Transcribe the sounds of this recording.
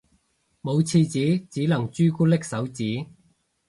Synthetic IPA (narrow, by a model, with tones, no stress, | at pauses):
mo˨˧wt͡sʰiː˧t͡siː˨˥t͡siː˨˥lɐ˨˩ŋt͡ʃyː˥kuː˥lɪ˥k̚sɐ˨˥wt͡siː˨˥